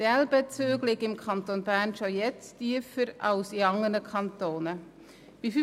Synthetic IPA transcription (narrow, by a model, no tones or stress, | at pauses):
d̥ɛlbɛt͡søːɡlɪɡɪmkʰɑntonbæɾnʃojɛt͡stiəfəɾɑʊsiɑŋənəkʰɑntoːnə | b̥if